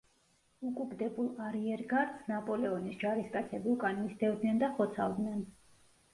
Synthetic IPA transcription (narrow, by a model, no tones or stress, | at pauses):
ukʼuɡd̪ɛbulˠaɾiɛɾɡaɾt̪snapʼɔlɛɔnisd͡ʒaɾiskʼat̪sʰɛbiukʼanlisd̪ɛvd̪nɛnd̪aχɔt̪sʰa̰lˠd̪nɛn